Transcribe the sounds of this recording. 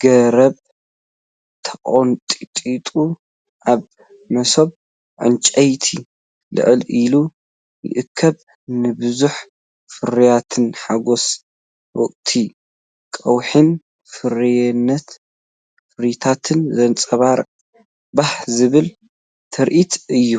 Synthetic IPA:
ɡ̥ɐɾɐβ | t̪ʰɐkʼont̪ʼit̪ʼit̪ʼu | ʔaβ | mɐso̞β | ʕɨ̰nt͡ʃʼɐjt̪ʰi | lɨ̰ʕɨlilu | jɨ̰ʔɨkʰːɐβ | nɨbɨzuħ | fɨɾijat̪ʰɨnħaɡo̞s | wɔkʼt̪ʰi | kʼɐwħin | fɨɾijɛnːɐt̪ | fɨɾit̪ʰat̪ʰɨnzɐnt͡sʼɐβaɾ | bahzɨβɨl | t̪ʰɐɾʔit̪ʰɨjːu

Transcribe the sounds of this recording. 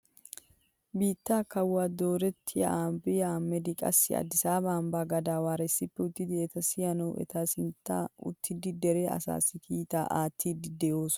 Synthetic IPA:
biːt̪ːaːkɐwːaːd̪o̞ːɾɛt̪ʰːɪjɐ̰ambɪjɐmːɛd̪ɪkʼɐ̰sːɪɐ̰d̪ɪsaːbaːmbaːɡɐd̪aːwaːɾɛsːɪpːɛʊt̪ːɪd̪ɪɛt̪ɐsɪjɐnɐwʔɛ̰t̪ɐsɪnt̪ːa̰ʊ̰t̪ʰːɪd̪ɪd̪ɛɾeːɐ̰sa̰ːsɪkʰiːt̪a̰ːʔaːt̪ʰːiːd̪ɪd̪ɛjo̞ːs

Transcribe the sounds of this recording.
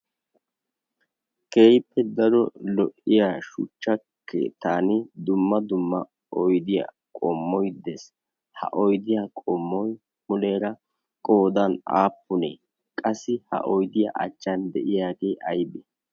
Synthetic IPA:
ke̞ːjpːɛd̪ɐɾɔlɔʔɪjaːʃʊ̰t͡ʃːɐ | kʰḛːt̪ːaːnɪd̪ʊmːɐd̪ʊmːɐ | ɔjd̪ɪja̰ | kʼɔmːɔjd̪ɛs | hɐ̰ʔɔjd̪ɪjaːkʼɔmːɔj | mʊleːɾɐ | kʼo̞ːd̪ɐna̰ːpːʊnḛː | kʼɐsːɪhɐ̰ʔɔjd̪ɪja̰ʔɐ̰t͡ʃːɐnd̪ɛʔɪjaːɡeːʔɐjbɛ

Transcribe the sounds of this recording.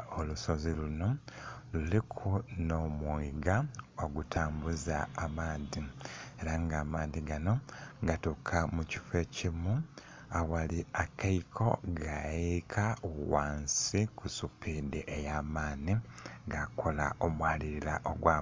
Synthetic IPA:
oluso̞ziluno̞ | lulikʰuno̞muiɡaoɡutʰaːmbuzaːmaːnðieɾaŋɡaːmaːnðiɡano̞ɡatukʰamuci̥fe̞cimu | awaliakaikʰo̞̰ɡajjekʰauwaːnsikusupideʔejaːmaːniŋɡakʰola̰omwaːliɾila̰ʔoɡwa

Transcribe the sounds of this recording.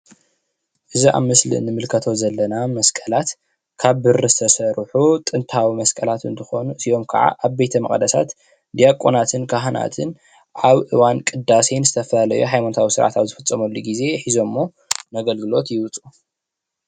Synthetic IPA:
ʔɨziʔa̰βmɨslḭnɨmɨlkʰɐt̪ʰo̞zɐlːɐnamɐskʼɐlat̪ | kʰaβːɨɾɨzɨt̪ʰɐsɐɾħut̪ʼɨnt̪ʰawimɐskʼɐlat̪ɨ̰nt̪ʰɨxo̞nuɨsio̞mkʰɐ̰ʕa̰ʔaβbejt̪ʰɐmɐ̰χʼd̪ɐsa̰t̪ | d̪ijakʼonat̪ʰɨnkʰaɦɨna̰t̪ʰɨn | ʔaβʔɨ̰wankʼɨd̪asenzɨt̪ʰɐfɐlalɐjuħajmanot̪ʰawisɨɾʕa̰t̪aβzɨfɨt͡sʼːɐmulːuɡize̞ħizo̞mːo̞ | mɐɡɐlɡɨlo̞t̪jɪwɨt͡sʼu

